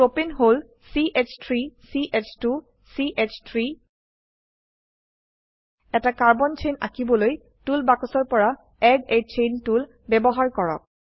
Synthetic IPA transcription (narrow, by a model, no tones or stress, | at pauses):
openɦol | siʔet͡ʃʰtʰɹisiʔet͡ʃʰtu | siʔet͡ʃʰtʰɹi | ɛtakaɹbɔnt͡ʃʰejna̰kibɔloj | tulbakɔsɔɹpɔɹa | ɛɡet͡ʃʰentul | bɛbɔɦaɹkɔɹɔ̰k̚